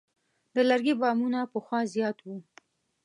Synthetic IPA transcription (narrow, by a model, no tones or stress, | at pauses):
d̪əlaɾɡibɑmunapəxwɑzjɑt̪wu